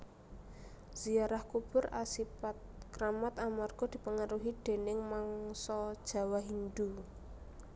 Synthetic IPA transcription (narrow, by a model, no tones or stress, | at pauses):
z̥iaɾahkub̥ʊ̤ɾa̰sipat̪̚kɾamat̪amarɡ̥ɔ̤d̪̥i̤pəŋaɾuɦid̪̥e̤nɪŋmaŋsɔd̥ʒ̥ä̤waɦind̪u